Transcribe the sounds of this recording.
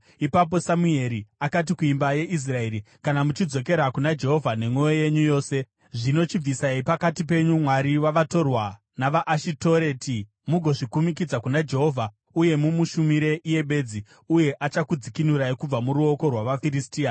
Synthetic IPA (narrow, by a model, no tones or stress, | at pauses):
ipap̬o̞samue̞ɾiakat̬ikuimbaje̞ʔis̬rae̞ɾi | kanamut͡ʃid͡zo̞ke̞ɾakunad͡ʒe̞ɦo̞vʱane̞mwooje̞ɲujo̞ːse̞ | ʐino̞t͡ʃib͡visaipakatip̬e̞ɲumwaɾiwaʋato̞rwa | naʋaʔːʃito̞ɾe̞ti | muɡʱo̞ʐikumik̬id͡zakunad͡ʒe̞ɦo̞vʱa | uje̞mumuʃumiɾe̞ʔije̞ɓe̞d͡zi | uje̞ʔat͡ʃakud͡zikinuɾaikub͡vamuɾuo̞ko̞rwaʋafiɾistiːa